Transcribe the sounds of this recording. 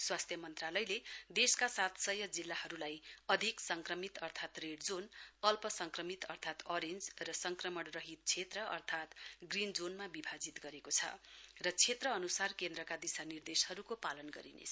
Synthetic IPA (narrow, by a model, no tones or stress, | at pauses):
swast̪ʰjʌmʌnt̪ralʌjled̪eskasat̪sʌjʌd͡zilːahʌɾulajʌd̪ʱiksʌŋkrʌmit̪ʌrt̪ʰat̪reɖd͡zonʌlpʌsʌŋkrʌmit̪ʌrt̪ʰat̪ʌɾend͡zrʌsʌŋkrʌmʌɽrʌɦit̪̚t͡sʰet̪rʌʔʌ̰rt̪ʰat̪ɡrind͡zonmabibʱad͡zit̪ɡʌɾekot͡sʰʌ̰rʌt͡sʰet̪rʌːnusarkend̪ɾʌkad̪isanird̪eshʌɾukopalʌnɡʌ̰ɾḭnḛt͡sʰ